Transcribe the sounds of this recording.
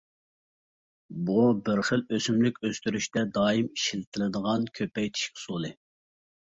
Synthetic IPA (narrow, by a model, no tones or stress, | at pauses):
bubəɾχəløsymlɪkʲøst̪yɾyʃt̪ɛd̪ɑːimiʃilɪt̪ʰɪlɪd̪əʁɑnkʲʰøpɛjt̪ʰi̥ʃkʲsolˠɨ